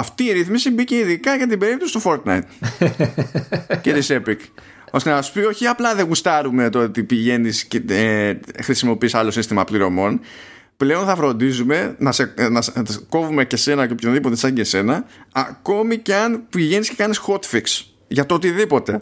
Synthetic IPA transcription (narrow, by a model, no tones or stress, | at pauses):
ɐft̪iːɾiθmisibice̞iðikɐʝɐt̪̬ibe̞ɾit̪ust̪ufo̞ɾt̪nɐ̰jt̪ | ce̞t̪ise̞pik | ost̪eɐspio̞çiɐplɐðe̞ɣust̪ɐɾume̞t̪oot̪ipiʝe̞nisceexɾisimo̞pisɐlo̞sist̪imɐpliɾo̞mo̞n | ple̞o̞nθɐfɾo̞nd̪izume̞nɐsenɐsko̞vume̞ce̞se̞nɐocopʰçɐðipo̞t̪esɐɟese̞nɐːko̞miceɐnpiʝe̞nisce̞kɐnisxo̞t̪fiks | ʝɐt̪ot̪iðipo̞t̪e̞